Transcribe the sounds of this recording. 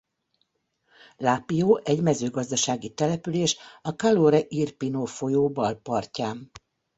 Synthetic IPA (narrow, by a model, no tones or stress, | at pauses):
laːpijoːʔɛɟmɛzøːɡɒzd̪ɒʃaːɡit̪ɛlɛpyleːʃɒkaloːɾɛʔirpinoːfo̞joːbɒlpɒrcaːm